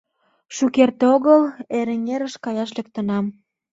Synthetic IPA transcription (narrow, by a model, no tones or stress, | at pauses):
ʃukert̪eoɣəleɾĕŋeɾəʃkɑjɑʃlek̚t̪ə̆nɑm